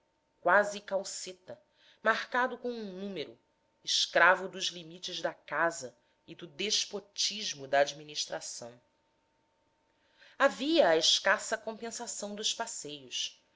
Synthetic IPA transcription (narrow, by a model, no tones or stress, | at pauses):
kwazɪkawset̪ɐ | mahkad̪ʊkõw̃ũnũmeɾʊ̰ | ɪʃkɾavʊd̪ʊʒlimit͡ʃɪzd̪ɐkazɐ | id̪ʊd̪eʃpot͡ʃiʒmʊd̪ɐːd͡ʒminiʃt̪ɾasɐ̃w̃ | aviɐːeʃkasɐkõpẽsasɐ̃w̃d̪ʊʃpasejʊs